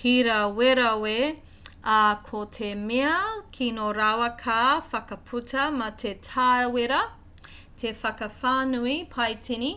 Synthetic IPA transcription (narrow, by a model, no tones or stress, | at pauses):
hiɾɐweɾɐwe | ɐkʰotʰemeɐkʰinoɾawɐkʰaːfɐkɐpʰutʰɐmɐtʰetʰaːɾweɾɐ | tʰefɐkɐfaːnuipʰɐjtini